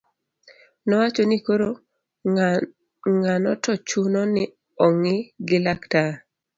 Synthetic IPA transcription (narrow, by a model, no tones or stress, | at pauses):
nɔwat͡ʃonikoɾo | ŋanɔtɔt͡ʃunɔnɪ | ɔŋɪɡɪlakta